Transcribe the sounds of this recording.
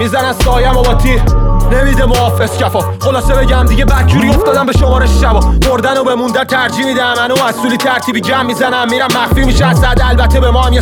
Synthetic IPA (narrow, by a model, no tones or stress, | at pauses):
miːzænæssɒːjæmobɒːt̪ʰined̪iːd̪emoɒːfescʰæfɒː | χo̞lɒːsebe̞ɟæmd̪iɟe̞bæd̪̚d͡ʒuːɾio̞ft̪ɒːd̪æmbe̞ʃomɒːɾeʃʃæbɒːmoɾd̪ænobe̞mund̪ænt̪ʰæɾd͡ʒiːmid̪æmænomæssulit̪ʰæɾt̪ʰiːbid͡ʒæmːizænæmːiɾæmːæxfimiʃæsæd̪ælbæt̪ʰːebemɒːhæmje